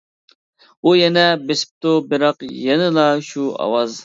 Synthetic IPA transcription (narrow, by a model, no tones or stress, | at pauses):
ujɛnɛbesɪ̥p̚t̪obɪɾɑqjɛnɪlˠɑʃuɑ̰wɑz